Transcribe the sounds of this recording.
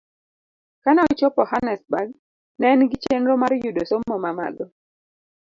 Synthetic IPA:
kanɔt͡ʃopɔhanɛsbaɡ̚ | nɛnɡɪt͡ʃenɾomaɾjudosomːɔmama̰dɔ

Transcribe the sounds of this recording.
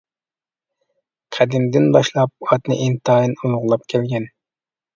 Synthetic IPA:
qʰæd̪ɪmd̪ɪnbɑʃlˠɑp̚ɑt̪nɨ̰ʔint̪ɑːjɨnulʁʊlˠɑp̚kʲʰɛlɡʲɛn

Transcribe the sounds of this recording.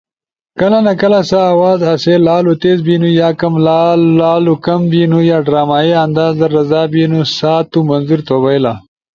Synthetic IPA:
kɐlanakɐlasaːwaːzɐselaːlut̪ezbinujaːkɐmlaaːlukɐmbinujaːɖɾaːmaːeɐnd̪aːzd̪əɾɐzɑːbinusaːt̪umɐnzuɾt̪oːbajla

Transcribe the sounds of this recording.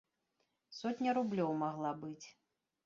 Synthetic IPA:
sɔt̪ʲnʲɐɾublʲɔwmaɣlˠabɨt͡sʲ

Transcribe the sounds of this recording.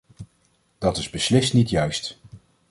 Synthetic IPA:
d̥ɑtɪzbəslɪstnitjœɥst

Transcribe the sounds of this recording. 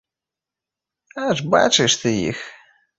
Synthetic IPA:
aʐba̰t͡ʃɨʂt̪ʰɨjḭx

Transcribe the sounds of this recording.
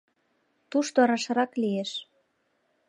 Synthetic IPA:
t̪uʃt̪oɾɑʃɤ̆ɾɑklieʃ

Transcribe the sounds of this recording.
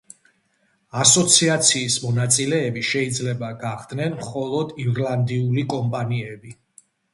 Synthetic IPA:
asɔt̪sʰiat̪sʰiːsmɔnat̪sʼilɛːbiʃɛid̪zlɛbaɡaχd̪nɛnmχɔlˠɔd̪iɾlˠand̪iulikʼɔmpʼaniɛbi

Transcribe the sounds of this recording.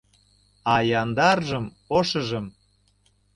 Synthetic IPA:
ɑjɑnd̪ɑrʒəm | oʃə̆ʒə̆m

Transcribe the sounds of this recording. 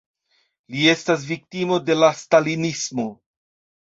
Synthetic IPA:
lie̞stas̬vik̚timo̞de̞lastalinismo̞

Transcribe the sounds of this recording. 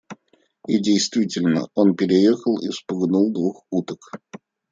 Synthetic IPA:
ɪdʲejst̪vʲitʲɪlʲnə̰o̞npʲɪɾʲɪjexəlˠḭfspʊɡnulˠd̪vuxut̪ək

